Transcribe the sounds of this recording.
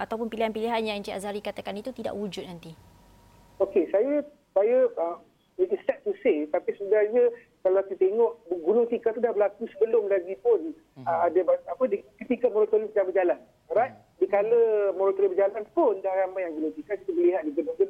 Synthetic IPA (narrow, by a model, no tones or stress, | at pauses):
ʔat̪awp̬ʊnpiliɦanpiliɦanjãd͡ʒia̰zaɾikat̪akanit̪ut̪ida̰ʔwud͡ʒʊt̪̚nant̪i | okesaja | sajaəm | itist̪ɛt̪̚t̪ːuset̪apisudahɲa | kalaakit̪eŋɔʔbɡulʊŋt̪ikat̪udahbəlakusəbəlʊmlaɡipʊn | əadabaapədikit̪ikamɔɾɔt̪olisəd͡ʒabəd͡ʒalan | baʔ̪̚ | dikaləmɔɾot̪olibəd͡ʒalanpʊndaɦaɾamajaŋɡuloŋt̪ikakit̪ubəliɦat̪̚diɡunʊŋdəl